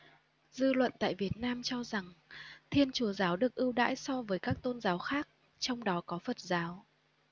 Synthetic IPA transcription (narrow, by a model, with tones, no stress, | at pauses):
zɨ˧lwə̰˧˨nt̪a̰ː˧˨jvi˨˩ət̚naː˧mt͡ɕɔ˧za˨˩ŋt̪ʰi˧ənt͡ɕu˨˧˩əzaː˨˦wɗɨ˨˩ək̚ʔɨ˧wɗa̰ː˧˥jsɔ˧vəː˨˦jkaː˦˥k̚t̪o˧nzaː˨˦wxaː˦˥k̚ | t͡ɕɔ˧wŋ͡mɗɔ˨˦kɔ˨˦fə˨˩t̚zaː˨˦w